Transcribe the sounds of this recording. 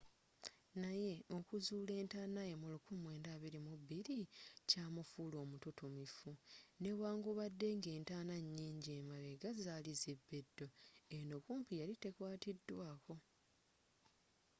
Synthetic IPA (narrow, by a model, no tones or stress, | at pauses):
naje̞o̞kuzule̞ːntaːnajemulukumwe̞ːndaːβiɾimuβːiɾicaːmufuːlo̞ːmututumifune̞waːŋɡuβadːe̞ŋɡe̞ːntaːnaɲːiːɲɟieːmaleɡazaːlizebːedːo̞enokuːmpijalitekwaːtidːwaːko̞